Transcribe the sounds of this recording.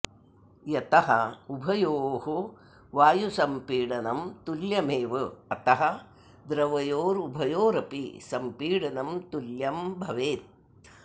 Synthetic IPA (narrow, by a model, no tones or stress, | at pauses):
jɐt̪ɐɦɐubʱɐjoːɦu | ʋaːjusɐmpiːɽɐnɐmt̪uljɐmeːʋɐɐt̪ɐɦɐ | d̪ɾɐʋɐjoːɾubʱɐjoːɾɐpḭsɐmpiːɽɐnɐmt̪uljɐmbʱɐʋeːt̪̚